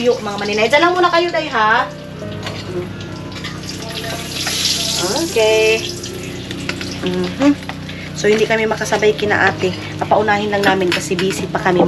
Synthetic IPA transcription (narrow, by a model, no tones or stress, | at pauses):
joʔmɐŋamɐnɪnajdɐlamːuːnɐkɐjod̪ɐjɦa | ʔoʔokɛj | m̩ːɦ̩ | sohɪnd̪ikɐmɛmɐkɐsɐbajkɪnɐ̰ŋʔaːt̪ɪ | ʔɐpɐʔʊnaːhɪnlɐŋnaːmɪnkɐsɛbiːsɪpɐkɐmɪ